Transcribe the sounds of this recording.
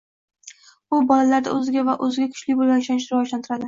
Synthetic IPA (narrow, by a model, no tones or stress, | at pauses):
ʊbɒlalaɾd̪a̰ɵzɪɡʲavaʔɵzɪɡʲakʰʊ̥t͡ʃlɪbolanʃanɪʃɾɪvɒʒlant̪ʰɪɾad̪ɪ